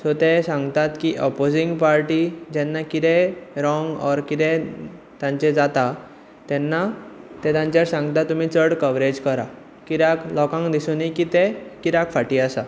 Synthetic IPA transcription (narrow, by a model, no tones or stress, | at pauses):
sot̪esãŋɡt̪at̪kiʔɔpod͡ziŋɡpaɾʈid͡ʑɛnːakit̪ɛɾɔŋɡɔɾkit̪ɛ̃ | t̪jãɲt͡ɕed͡zat̪a | t̪ɛnːat̪ɛ̃t̪ãɲt͡ɕjaɾsãŋɡt̪at̪ːum̤iːt͡səɽkəʋɾed͡ʑkəɾa | kiɾaklɔkãŋɡd̪isunikit̪ekiɾakfaʈiːasa